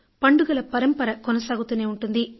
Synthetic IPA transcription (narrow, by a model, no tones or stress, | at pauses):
pɐɳɖuɡɐlɐpɐɾɐmpɐɾɐkɔnɐsaːɡut̪uneːuɳʈund̪i